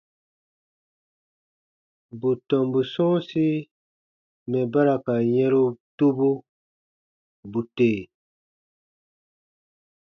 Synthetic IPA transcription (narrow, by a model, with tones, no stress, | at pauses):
bu˨tɔ̃˨mbu˨sɔ̃˦si˦ | mɛ̃˨ba˦ɾa˨ka˨jɛ̃˦ɾu˦tu˦bu˦ | bu˨teː˨